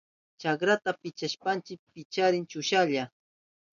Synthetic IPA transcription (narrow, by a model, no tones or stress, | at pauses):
t͡ʃakɾat̪apɪt͡ʃaʃpant͡ʃɪk̚pɪt͡ʃaɾɪnt͡ʃʊʃaʎa